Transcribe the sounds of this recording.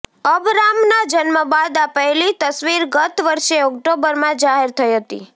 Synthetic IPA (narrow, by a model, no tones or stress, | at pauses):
əbɾamnad͡ʒənməʋad̪apəelit̪əsʋiɾɡət̪ʋəɾʃeɔkʈobəɾmãd͡ʒaɦeɾt̪ʰəiɦət̪ḭ